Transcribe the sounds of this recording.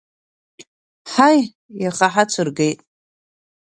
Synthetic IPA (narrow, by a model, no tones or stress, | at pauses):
ħaj | jaχaħat͡sʷʰɨrɡejtʼ